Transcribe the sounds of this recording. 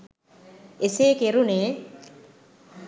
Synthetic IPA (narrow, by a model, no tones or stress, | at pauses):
eseːkeɾuneː